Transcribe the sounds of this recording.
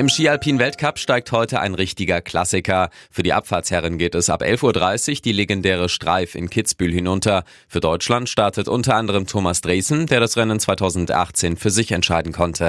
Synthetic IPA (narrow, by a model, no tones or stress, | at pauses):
ʔɪmʃiːalpʰiːnvɛltkʰapʃtaɪk̚thɔʏtəʔa̰ɪnʁɪçtɪɡɐkʰl̥a̰sɪkɐfyːɐdiːʔa̰pfaːɐtshɛʁənɡeːtɛsʔa̰pʔɛ̰lfuːɐdʁaɪsɪçd̥iːleɡɛndɛːʁ̞əʃtʁ̥a̰ɪfɪ̰nkʰɪt͡sb̥yːlhɪnʊntʰɐ | fyːɐdɔʏt͡ʃlantʃtaɐtʰətʔʊntɐʔandəʁ̞əmtʰoːmasd̥ʁeːsn̩deːɐɾasʁɛnənt͡sv̥aɪtʰaʊzn̩tʔa̰χt͡seːnfyːɐzɪçɛntʃaɪdn̩kʰɔntʰə